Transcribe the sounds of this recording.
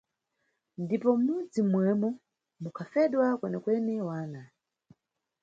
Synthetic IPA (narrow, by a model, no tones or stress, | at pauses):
ndipɔmud͡zimwɛmɔ | mukʰafɛɗwakwɛnɛkwɛnɛwaːna